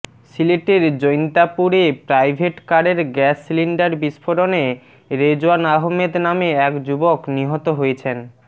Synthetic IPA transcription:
sileʈeɾd͡ʑojnt̪apuɾepɾajbʱeʈkaɖeɾɡɛsːiliɳɖaɾbiʃfʰoɾone | ɾed͡ʑoanaɦomed̪nameɛkd͡ʑubokniɦɔt̪oɦojet͡ɕʰen

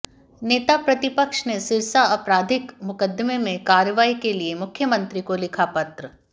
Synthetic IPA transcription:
neːt̪apɾɐt̪ɪpəkʃnesɪɾsaɐpɾaːd̪ʱɪkmʊkəd̪ːmemẽkaːɾjəʋaːikeliemʊkʰjəmɐ̃nt̪ɾikolɪkʰapɐt̪ɾə

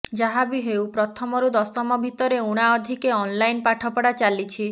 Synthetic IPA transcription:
d͡ʒaɦabiɦewpɾɔt̪ʰɔmɔɾud̪ɔsɔmɔbʱit̪ɔɾeuɽ̃aɔd̪ʱikeɔnlajnpaʈʰɔpɔɽat͡ʃalit͡ʃʰi

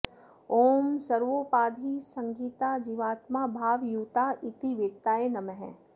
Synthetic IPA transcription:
oːmsəɾʋopaːd̪ʱisɐ̃ŋɡiːt̪ad͡ʒiːʋaːt̪mabʱaːʋjuːt̪aʔit̪iʋeːk̚t̪aːenɐməɦɛ̰̃

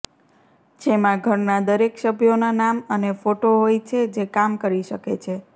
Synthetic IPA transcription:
d͡ʒemãɡʱəɾnad̪əɾekʃəbʱjonanamənefoʈoɦojt͡ʃʰed͡ʒekamkəɾiʃəket͡ʃʰe

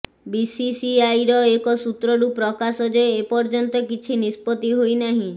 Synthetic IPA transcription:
bisisiajɾɔekɔsut̪ɾɔɾupɾɔkasɔd͡ʒɔeepɔɾd͡ʒɔnt̪ɔkit͡ʃʰinispɔt̪iɦojnaɦĩ

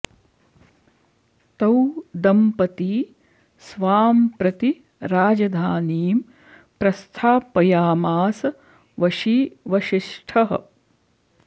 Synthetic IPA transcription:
t̪ɐwd̪ɐmpɐt̪iː | sʋaːmpɾɐt̪i | ɾaːd͡ʒɐd̪ʱaːniːm | pɾɐst̪ʰaːpːɐjaːmaːsɐ | ʋɐʃiʋɐʃiʂʈʰɐɦɐ̰̆

